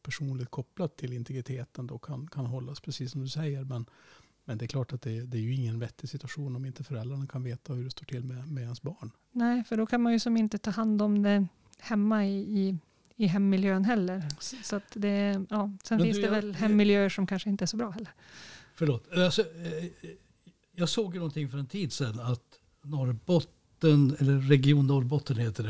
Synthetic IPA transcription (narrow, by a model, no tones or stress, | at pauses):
pʰæʂuːnlɪɡt̪̚kʰɔplad̪̚t̪ʰːɪlɪnt̪ɛɡɾɪt̪ʰeːt̪ənd̪ɔkʰa̰nkʰanɦɔlːaspʰɾɛsiːsːɔmd̪ɵsɛjːəɾmɛn | mɛnd̪ɛːɾkʰlɑːʈat̪̚d̪ɛd̪ɛæɾjɵɪŋːənvɛt̪ːɪɡsɪt̪ʉ̥aɧuːnɔmɪnt̪əfœɾɛlːɾaɳakʰanveːt̪ʰahɵɖɛst̪oːʈʰɪlːmɛmɛhansbɑːɳ | nɛɪfəɖɔkʰanmanjɵsɔmɪnt̪ət̪ʰɑːɦand̪ɔmd̪ɛ | hɛmːaɪɪ | ɪɦɛmːɪljøːənɦɛlːəɾsɔat̪d̪ɛjɑːsɛnɪnsd̪ɛvɛlhɛmːɪljøːəʂɔmkʰanʂəɪnt̪əæʂɔbɾɑːhɛlːəɾfœɭoːt̪asɔ | jɑːɡsoːɡjɵnɔnt̪ʰɪŋːfœɾɛnt̪ʰiːd̪sɛnːat̪ | nɔɾbɔt̪ːənɛlːəɾːɛɡɪuːnːɔɾbɔt̪ːənheːt̪ːəɖɛ